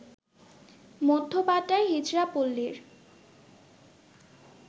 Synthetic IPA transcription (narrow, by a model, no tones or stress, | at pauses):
mod̪ʱːopaʈːaeɦid͡ʑɾapolːeɾ